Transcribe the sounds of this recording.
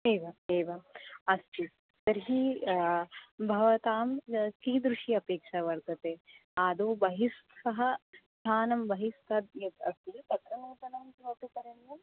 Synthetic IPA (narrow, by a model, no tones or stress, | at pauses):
eːʋɐeːʋɐɐst̪i | t̪ɐɾɦi | bʱɐʋɐt̪aːmkiːd̪ɾuʂiɐpeːkʂɐʋɐɾd̪ɐt̪eːaːd̪oːbɐɦist̪sɐɦɐst̪ʰaːnɐmʋɐɦist̪ɐd̪jɐt̪ɐst̪it̪ɐkɾɐnuːt̪ɐnɐmkoːpikɐɾenːu